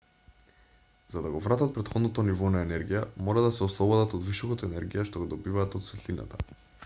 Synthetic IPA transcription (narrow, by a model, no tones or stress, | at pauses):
z̥ad̪aɡɔvɾat̪at̪̚pɾɛt̪xɔd̪not̪ɔnivɔnaɛnɛɾɡijamɔɾad̪asɛɔslˠɔbɔd̪at̪ɔd̪visɔkat̪ɔɛnɛɾɡijaʃt̪oɡod̪ɔbivaːt̪ot̪svɛt̪lina̰t̪a